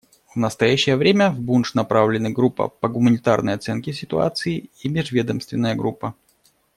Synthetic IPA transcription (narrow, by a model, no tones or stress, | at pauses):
vnəst̪ɐjæɕːɪjəvɾʲemʲəvbunʂnɐpɾavlʲɪnɨɡɾupːə̰pəɡʊmənʲɪt̪a̰rnəjɐt̪sɛnkʲɪsʲɪt̪ʊa̰t̪sɨɪimʲɪʐvʲed̪əmst̪vʲɪnːəjəɡɾupːə